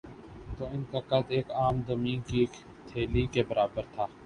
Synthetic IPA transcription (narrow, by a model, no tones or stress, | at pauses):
t̪oːɪnkakɐd̪eːkaːmd̪əmĩːki | t̪ʰeːlikebəɾʔaːbəɾt̪ʰaː